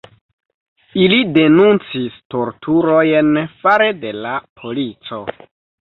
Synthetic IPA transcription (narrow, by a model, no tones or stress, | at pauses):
ilide̞nunt͡sisto̞ɾtʰuɾojnfaɾe̞de̞lapʰo̞lit͡so̞